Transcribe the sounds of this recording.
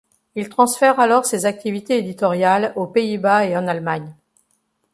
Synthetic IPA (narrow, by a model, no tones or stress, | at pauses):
ilt̪χɑ̃sfɛʁalɔʁsezak̚t̪ivit̪eed̪it̪ɔʁjalopeibaeɑ̃nalmaɲ